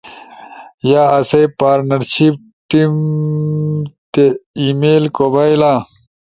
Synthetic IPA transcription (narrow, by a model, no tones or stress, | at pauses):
jaːɐsejpaːɾnɐɾɕip̚ | ʈim | t̪eimeːlkobaːjla